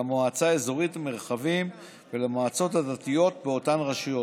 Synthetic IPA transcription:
amoat͡saezoʁitameʁχavim | velamoat͡so̞tadat̪ijo̞t̪beo̞tanʁaʃijo̞

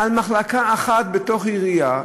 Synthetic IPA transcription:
almaχlakaːχat̪̚bet̪o̞χiʁija

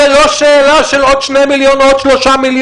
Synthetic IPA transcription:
eloʃeːlaʃelod̪ʃnemiljonod̥̪ʃloʃamilj

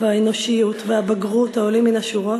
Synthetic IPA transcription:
vaeno̞ʃijut̪veabaɡʁuthaoliminaʃuʁo

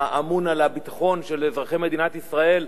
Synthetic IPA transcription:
aʔamunalabit̪ḁχo̞nʃe̞lzʁaχeme̞d̪inat̪isʁae̞l

